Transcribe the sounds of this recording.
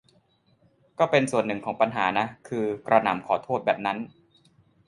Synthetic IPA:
kɔː˥˩pe˧nsu˨˩ənːɯ˨˩ŋkʰɔː˩˦ŋpa˧nɦaː˩˦na˦˥kʰɯː˧kɾa˧na˩˦mkʰɔː˩˦t̪ʰoː˥˩t̪̚bɛː˨˩p̚na˦˥n

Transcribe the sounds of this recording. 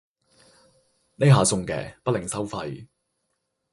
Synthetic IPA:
ne˥ɦaː˨sʊ˧ŋkɛ̰ː˨˩pɐ˥t̚lɪ˨ŋsɐ˥wfɐ˧j

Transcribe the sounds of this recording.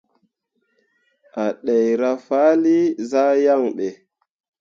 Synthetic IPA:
a˨ɗe˨jɾa˦fa˦li˦za˦ja˦˨ŋɓe˨

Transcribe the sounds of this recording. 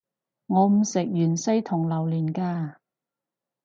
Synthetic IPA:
ŋɔː˨˧m̩˨˩sɪ˨k̚jyː˨˩nsɐ˥jt̪ʰʊ˨˩ŋlɐ˨˩wlyː˨˩nkaː˧

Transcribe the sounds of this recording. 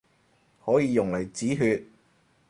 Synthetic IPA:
hɔː˨˥jiː˨˧jʊ˨˩ŋlɐ˨˩jt͡siː˨˥ɦyː˧t̚

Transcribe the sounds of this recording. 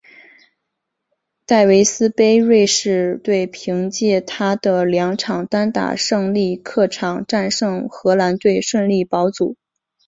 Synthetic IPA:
t̪a˥˩ɪwe˧˥ɪsɹ̩˥pe˥ɪɻwe˥˧ɪʂɻ̩˥˧t̪we˥˩ɪpʰi˧˥ŋt͡ɕjɛ˥˩t̪ʰa˥d̪ə˨ljɑ˧˥ŋʈ͡ʂʰɑ˨˩ŋt̪a˥nt̪a̰˥˩ʂɤ˥˧ŋli˥˧kʰɤ˥˩ʈ͡ʂʰɑ˨˩ŋʈ͡ʂa˥˧nʂɤ˥˧˩ŋxɤ˧˥la˧˥nt̪we˥˧ɪʂwə˥˧nli˥˩pɑ˧˥ʊt͡su˨˩˦

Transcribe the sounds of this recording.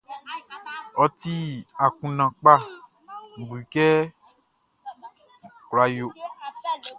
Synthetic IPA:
ɔ˨t̪i˦a˨kũ˨nã˨k͡pa˦˨ | ŋ̩˨ɡ͡bu˨i˨kɛ˦ | kla˨jo˨

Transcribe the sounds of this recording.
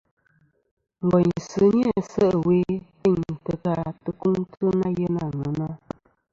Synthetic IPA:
ŋ̩˨ɡɔ˨ɲsɨ˨˦ɲja˦˨sə˦ʔwe˦te˦˨ɲtə˨ka˦tə˨ku˦ŋtə˦na˦jə˦na˦˨ŋə˨˦na˦

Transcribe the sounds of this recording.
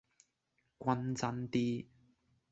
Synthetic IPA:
kʷwɐ˧nt͡sɐ˧˥nt̪iː˦˥

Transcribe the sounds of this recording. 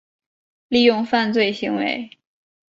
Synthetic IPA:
li˥˧jʊ˥˧ŋfa˥˧nt͡swe˥˩ɪɕi˧˥ŋwḛ˧˥ɪ

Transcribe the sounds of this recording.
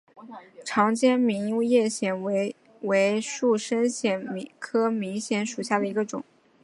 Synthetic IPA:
ʈ͡ʂʰɑ˧˥ŋt͡ɕjɛ˥nmi˧˥ŋu˥˧jɛ˥˩ɕjɛ˨˩n˧˥ | we˧˥ɪʂu˥˩ʂə˥nɕjɛ˧˩nm˧kʰɤ˥mi˧˥ŋɕjɛ˧˥nʂu˨˩ɕja˥˩d̪ə˩i˧˥ɡə˧ʈ͡ʂʊ̰˨˩˦ŋ

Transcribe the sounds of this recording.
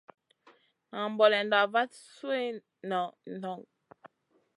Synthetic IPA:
a˨mbɔ˨lɛ˨nda˨va˦tswe˦˨ | nɔ˨n˨ɔ˨ŋ

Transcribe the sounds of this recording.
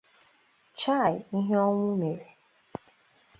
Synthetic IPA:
t͡ʃa˦˨i˦ɦe˦ɔ˦ŋʷʊ˦me˨ɾe˨

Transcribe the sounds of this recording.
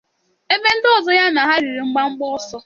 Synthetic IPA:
e˦be˦n̩˦dɔ˦˨zɔ˦ja˦na˨ɦa˦ɾi˨ɾi˨ŋ͡m̩˦ɡ͡ba˦ŋ͡m̩˦ɡ͡bɔ˦ɔ˦sɔ˦

